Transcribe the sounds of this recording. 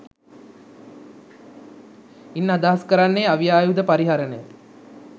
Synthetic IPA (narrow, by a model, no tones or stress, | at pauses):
inːad̪aɦaskəɾanːejaʋijaːjud̪əpaɾiɦaɾənəjə